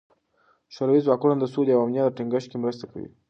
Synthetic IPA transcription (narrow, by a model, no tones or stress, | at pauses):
ʃoɾawizwɑkunand̪əsud̪jawamnjɑd̪əʈiŋɡəʃ̚kemɾəst̪aka̰wḭ